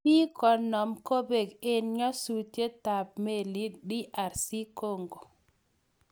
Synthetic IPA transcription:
pi˦kɔ˨nːɔ˨mko˦be˨ke˨nɲɔ˦su˨tje˦ta˨b̚me˨li˦ɗi˦ʔa˨ɾsi˦ko˦˨ŋɡo˨

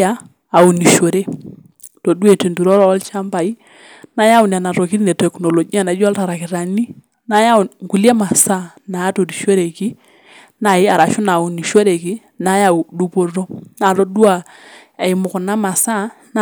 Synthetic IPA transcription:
aː˨˦˨ | u˨ni˨ʃo˨ɾe˦ | to˨du˦e˨te˨ndu˨ɾɔ˦ɾɔ˦ɔ˦lt͡ʃa˦mba˨i˦ | na˦ja˦ʊ˨n˨a˨na˨tɔ˨ki˦ɾnɛ˨tɛ˨knɔ˨lo˨ɡi˦a˨na˨˦d͡ʒa˦lta˨ɾa˨kɪ˨ɾa˨ni˦ | na˨ja˦˨ŋku˨lja˦ma˨sa˦na˨a˦to˨ti˨ʃo˦ɾe˨ki˦ | na˨ɪ˦a˨ɾa˨ʃʊ˦na˨u˨ni˨ʃo˦ɾe˨ki˦ | na˨˦ja˨u˨du˦po˨ɾɔ˦na˨tɔ˦dwa˨ | ɛ˨ɪ˨mʊ˨kʊ˨na˦ma˨sa˦n

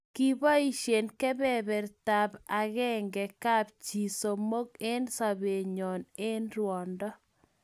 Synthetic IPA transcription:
ki˦ba˦i˦ʃe˨nkɛ˦bɛ˨bɛ˨ɾta˨ba˨ɣɛ˦ŋɡɛ˨ka˦p̚t͡ʃi˨so˨mo˦ke˦nsa˨βe˨ɲɔ˨ne˦nrwɔ˨ndɔ˦

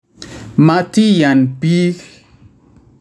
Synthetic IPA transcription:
ma˦ti˦ja˨npi˦l

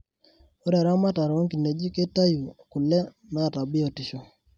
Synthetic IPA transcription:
o˦ɾa˨ɾa˦ma˦ta˨ɾo˦ŋki˨ne˨d͡ʒi˦ke˦ta˦ju˨ku˨lɛ˦ | na˦˨ta˨bɪ˦o˨ti˨ʃo˨

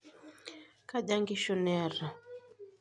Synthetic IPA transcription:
ka˦ʄa˦ŋɡi˦ʃɔ˦nɛ˦ɾa˨

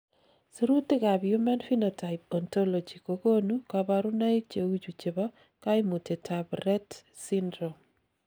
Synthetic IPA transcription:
su˦ɾu˦tɪ˦ka˨bjuma˦nfi˦nota˨ɪpɔ˨nto˦lo˨d͡ʒi˨koko˦nu˦kabaɾu˦na˦i˦t͡ʃe˨u˦t͡ʃu˨t͡ʃe˨bɔ˦ | ka˦ɪmu˨te˨tʰabɾɛt | sindɾom

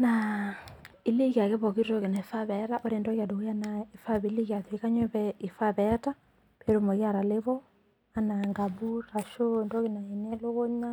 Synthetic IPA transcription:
na | i˨˦li˦ki˨a˨kɛ˦βɔ˨ki˦ɾɔ˦ke˨na˨fa˦βɛ˦ɾa˦ʔɔ˦ɾe˨ndɔ˦ɣja˨do˨ɣja˦nae˨fa˦βi˦li˦ɣja˨ðwe˨˦ka˦ɲɔ˦βɛi˨fa˦βɛta˦ | peɾo˦mɔ˨ɣja˨ɾa˨le˦βɔ˦ | a˨na˨ŋɡa˨bu˦ɾa˨ʃo˦ndɔ˦ɣe˨na˨i˨nɛ˦lo˦ɣɔ˦ɲa˦

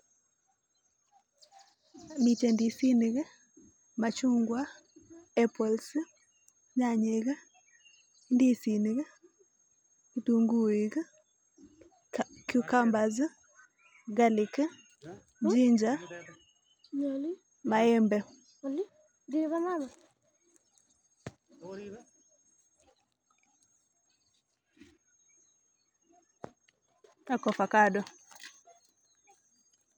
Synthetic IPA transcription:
mi˨te˨ndi˨si˦ne˨ɣe˦ | ma˨t͡ʃu˦ŋɡwa˦ | ɛ˦pɔ˨ls | ɲa˨ɲe˨ɣe˦ | ndi˦si˨ni˨ɣe˦ | i˦tu˨ŋɡu˦e˨k | kju˦ka˦mba˨z | ɡa˦li˨k | ɲd͡ʒi˦ɲd͡ʒa˦ | ɲɔ˨l | ma˨ɛ˦mbɛ˦ | l | di˦ka˦ma˦ma˨ | a˦˨kɔ˨fa˨ka˦dɔ˨

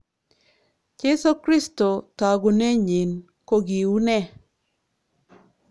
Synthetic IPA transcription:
t͡ʃe˦so˦kɾi˦sto˨ta˨ɡo˨ne˦ɲi˨n | ko˦ɡi˨u˦nɛ˦

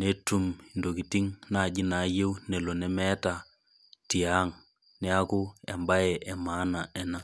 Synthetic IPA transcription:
ne˦tu˦mi˨ndo˨ki˨ti˦ŋna˦˨d͡ʒɪ˦na˨˦je˦wnɛ˨lo˨nɛ˦mɛ˦ta˨ | ti˨a˦ŋ | nɛ˦a˦kʊ˦ɛ˨mba˦jɛ˨ʔɛ˨ma˦na˨ɛ˨na˦

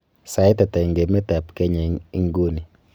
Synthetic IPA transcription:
sa˨ɪ˦tɛ˨tɛ˨ŋɡe˨mɛ˦tɛ˨pke˦ɲɛ˨i˦ŋɡo˦ni˨

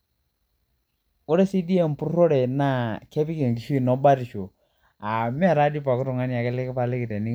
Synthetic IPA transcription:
o˦ɾe˦si˦di˦ɛ˦˨m˨pu˦ɾɾo˦ɾɛ˨na˦kɛ˦pi˦ke˨ŋ˨ki˨ʃi˦˨nɔ˨˦ba˦ɾi˨ʃo˨ | a˨mɪ˦ɛ˦˨ɾa˦di˦pa˨kɪ˦tʊ˨ŋa˦nja˨kɪ˦lɪ˦kɪ˦pa˨lɪ˦kɪ˨tɛ˨ni˦

